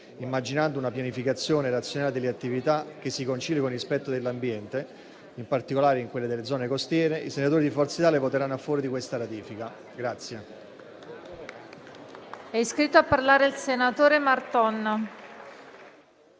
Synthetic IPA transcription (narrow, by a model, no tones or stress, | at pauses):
imːad͡ʒinand̪ounapjanifikat̪sːjoːneɾat̪sjonaːled̪elːeat̪ːivit̪ak̟ːesːikont͡ʃiljkonispɛt̪ːod̪elːambjɛnt̪e | impart̪ikolaːɾeiŋkwelːed̪elːed̪zɔːnekost̪jɛːɾeʔisenat̪oːɾid̪ifɔrt̪sit̪aːlevot̪eɾanːoafːɔːɾid̪ikwest̪aɾat̪iːfika | ɡɾat̪sːje | ɛiskɾit̪ːoapːarlaːɾeilsenat̪oːɾemart̪ɔnː